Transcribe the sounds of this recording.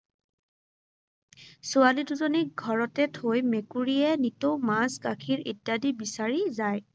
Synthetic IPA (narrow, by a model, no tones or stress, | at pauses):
sʊaliduzɔnik̚ɡʱɔɹɔtɛtʰojmekuɹijɛnitowmazɡakʰiɹitjadibisaɹizaj